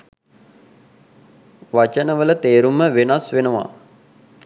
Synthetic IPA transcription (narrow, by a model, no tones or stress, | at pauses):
ʋat͡ʃənəʋələt̪eːɾumːəʋenasʋenəʋa̰